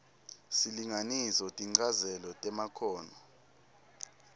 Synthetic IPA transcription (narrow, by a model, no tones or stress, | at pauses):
siliŋanisɔtʼiŋ͡ǀazɛlɔtʼɛmakʰɔːnɔ